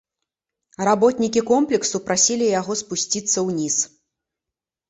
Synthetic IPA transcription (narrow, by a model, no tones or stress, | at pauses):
rabɔt̪nʲikʲikɔmplʲɛksupɾasʲilʲijaɣɔspusʲt͡sʲit̪sːɐwnʲis